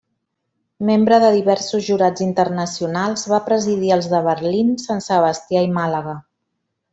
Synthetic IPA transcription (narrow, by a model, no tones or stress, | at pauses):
membɾəðəðiβɛɾsuzʒuɾad͡zint̪ərnəsiunalˠzβapɾəziðiəlˠzðəβəɾlinsansəβ̞əst̪iaimaləɣa